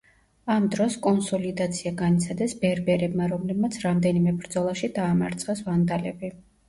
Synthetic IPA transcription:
amd̪ɾɔskʼɔnsɔlid̪at̪sʰiaɡanit̪sʰad̪ɛsbɛɾbɛɾɛbmaɾɔmlɛbmat̪sʰɾamd̪ɛnimɛbɾd̪zɔlˠaʃid̪aːmaɾt̪sʰχɛsvand̪alɛbi

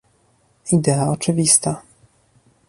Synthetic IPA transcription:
id̪ɛaɔt͡ʂɘvʲist̪a

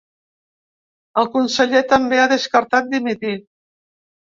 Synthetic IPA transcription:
əlˠkunsəʎet̪əmbeaðəskəɾt̪at̪̚d̪imit̪i

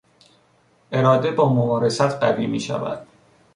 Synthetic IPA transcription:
ʔe̞ɾɒːd̪e̞bɒːmobɒːɾe̞sæt̪ʰɢæviːmḭːʃæ̰væ̰d̪̥

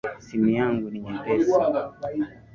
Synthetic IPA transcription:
simijaŋɡuniɲiɡɛ

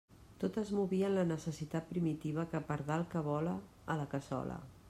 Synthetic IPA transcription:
t̪ot̪əzmuβiənlənəsəsit̪at̪̚pɾimit̪iβ̞əkəpəɾðalˠkəβɔləː | ləkəsɔ̰lə̰

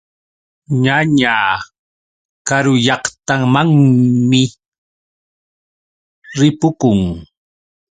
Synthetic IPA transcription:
ɲaɲaː | kaɾʊjɑqt̪amaŋmɪ | ɾɪpʊkʊŋ

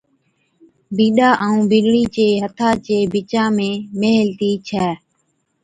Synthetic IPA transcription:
biːɗaːʔəːũːbiɗɳiːt͡ʃeːɦət̪ʰaːt͡ʃeːbɪt͡ʃãːmẽːmeːɦlt̪iːt͡ʃʰɛː

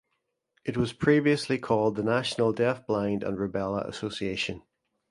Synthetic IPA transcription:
ɪʔwɒz̥pʰɹ̥iːviəslikʰɔːlˠd̪̚ðənaʃənəlˠdɛθb̥lãɪ̃ndə̰̃nɹɪbɛlˠə̰ʔə̰sosieʃə̃n

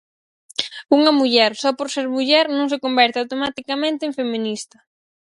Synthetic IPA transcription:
uŋɐmuʎɛɾsɔpoɾseɾmuʎɛɾnõŋs̬ekombɛɾt̪ɪawt̪omat̪ikɐmẽnt̪eːŋfemĩnist̪ɐ

